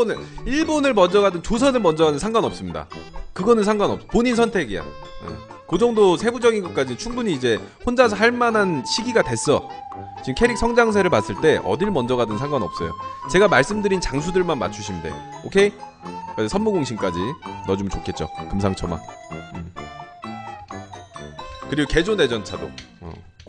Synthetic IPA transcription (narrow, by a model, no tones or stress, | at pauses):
onɯiɭbonɯɭmʌnd͡ʑʌɡadɯnt͡ɕosʰʌnɯɭmʌnd͡ʑʌɡadɯnsʰaŋɡwanʌp̚s͈ɯmɲida̰kɯɡʌnɯnsʰaŋɡwanʌp̚s͈ʌpoɲins̬ʰʌntʰe̞ɡia̰nḛ | kɯd͡ʑʌŋdosʰe̞bud͡ʑʌɡinɡʌk͈ad͡ʑinɯnt͡ɕʰuŋbuɲiːd͡ʑe̞hond͡ʑasʰʌaɭmananɕʰiɡiɡadwe̞s͈ʌ | t͡ɕimkʰe̞ɾik̚sʰʌŋd͡ʑaŋs̬ʰe̞ɾɯɭpas͈ɯɭt͈e̞ʔʌ̰diɭmʌnd͡ʑʌɡadɯnsʰaŋɡwanʌps͈ʌjo̰t͡ɕe̞ɡamaɭs͈ɯmdɯɾint͡ɕaŋs̬ʰudɯɭmanma̰t͡ɕʰuɕʰinde̞̰okʰe̞ | kasʰʌnmuɡoŋɕʰimk͈ad͡ʑinʌd͡ʑumt͡ɕokʰet̚t͡ɕ͈o̰kɯmsʰaŋt͡ɕʰʌma̰ɯ | kɯɾiɡoke̞d͡ʑone̞d͡ʑʌnt͡ɕʰado̰ʌ̰